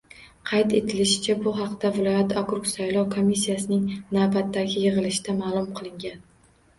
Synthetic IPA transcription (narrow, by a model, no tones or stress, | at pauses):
qʰɑjt̪e̞t̪ʰɪlɪʃɪ̥t͡ʃʰabʊɦɑqt̪avɪlˠɒjat̪ʰakɾuksajlˠɒwkʰomisːijasɪnɪŋnawbat̪ʰːaɡʲɪjɨʁɨlɪʃɪd̪amaːlˠʊmqʰɨlˠɪŋɡʲan